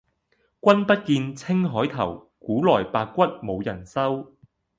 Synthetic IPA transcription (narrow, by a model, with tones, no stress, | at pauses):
kʷɐ˥npɐ˥t̚kiː˧nt͡sʰɪ˥ŋɦɔː˨˥jt̪ʰɐ̰˨˩w | kuː˨˥lɔː˨˩jpaː˧k̚kːʷɐ˥t̚mo˨˧wjɐ˨˩nsɐ˥w